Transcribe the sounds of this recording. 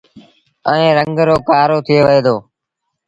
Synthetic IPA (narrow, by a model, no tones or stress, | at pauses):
əẽːɾəŋɡɾoːkaːɾoːt̪ʰɪeːʋəeːd̪oː